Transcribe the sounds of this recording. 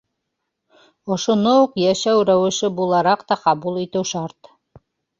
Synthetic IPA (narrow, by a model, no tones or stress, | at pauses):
ŏʃŏnouqjæʃæwɾæwɘ̆ʃɘbulˠɑɾɑqt̪ɑqɑbulˠit̪ɘwʃɑɾt̪